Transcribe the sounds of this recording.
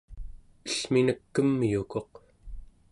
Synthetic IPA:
ə̥ɬminəkːəmːjuko̞q

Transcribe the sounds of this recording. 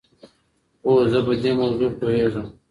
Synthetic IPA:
oːzəbəd̪emɐwzupoɦeʐəm

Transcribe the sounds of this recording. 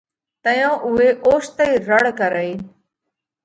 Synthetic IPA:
t̪əjãːʔʊɦeːʔoːʃt̪əiːɾəɽ̤kəɾəiː

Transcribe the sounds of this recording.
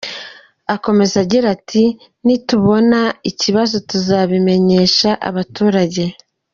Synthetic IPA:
ako̞me̞zaɟiɾatʰi | nituβo̞naiciβazo̞tuzaβime̞ɲe̞ʃaʔa̰βatuːɾaɟe̞

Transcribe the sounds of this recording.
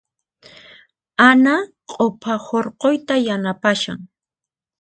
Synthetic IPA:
ana | qʼopʰahoɾqojt̪ajanapaʃa̰ŋ

